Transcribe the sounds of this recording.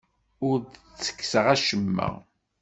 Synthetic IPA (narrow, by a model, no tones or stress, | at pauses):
ʊɾdət͡sːə̥kːsəʁæʃəmːə̰ʁ